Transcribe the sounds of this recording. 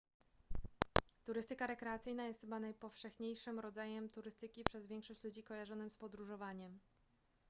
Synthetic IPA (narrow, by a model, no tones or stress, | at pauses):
t̪uɾɘst̪ɘkaɾɛkɾɛat̪sɘjnajɛst̪xɘbanajpɔfʂɛxɲejʂɘmɾɔd̪zajɛmt̪uɾɘst̪ɘkʲipʂɛzvʲjɛŋkʂɔɕt͡ɕlud͡ʑikɔjaʐɔnɘmspɔd̪ɾuʐɔvaɲɛm